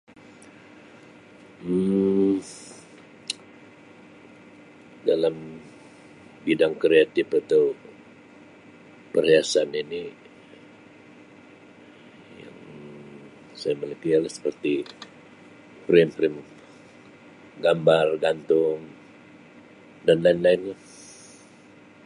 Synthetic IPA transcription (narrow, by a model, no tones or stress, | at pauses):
dalam | bidaŋkɾeat̪ɪpat̪aw | pəriasanini | ja̰ŋ | sajamələpialahsə̥pərt̪i | pɾɪmpɾɪm | ɡambarɡant̪ʊŋ | danlaɪnlaɪnlah